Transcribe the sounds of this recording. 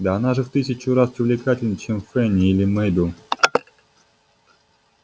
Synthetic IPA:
d̪aɐnaʐɨft̪ɨsʲɪt͡ɕʊɾaspɾʲɪvlʲɪkatʲɪlʲnət͡ɕɛmfɛnʲɪilʲɪmɛjd̪u

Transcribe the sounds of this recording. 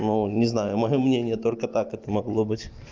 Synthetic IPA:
nunʲɪznajʊmɐjomnʲenʲɪjət̪olʲkət̪akɛt̪əmɐɡlˠobɨtʲ

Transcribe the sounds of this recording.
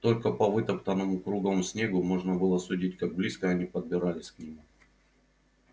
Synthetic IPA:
t̪o̞lʲkəpɐvɨt̪əpt̪ənəmʊkɾuɡəvəmsʲnʲeɡʊmo̞ʐnəbɨlˠəsʊdʲit̚ʲkaɡ̚blʲiskəɐnʲipəd̪̚bʲɪɾalʲɪsʲknʲɪmu

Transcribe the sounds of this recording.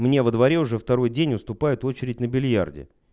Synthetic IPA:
mnʲe̞vəd̪vɐɾʲe̞ʊʐɛft̪ɐɾo̞jdʲenʲʊst̪ʊpajʊt̪o̞t͡ɕɪɾʲɪtʲnəbʲɪlʲja̰rdʲɪ̰

